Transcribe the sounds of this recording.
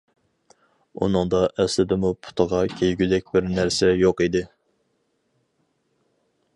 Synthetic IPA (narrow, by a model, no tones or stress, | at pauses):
ṵnɨŋd̪ɑʔɛslɪd̪ɪmupʰʊ̥t̪ʰəʁɑkʲʰejɡʲyd̪ɛk̚ʲbɪɾnæɾsɛjoqid̪ɪ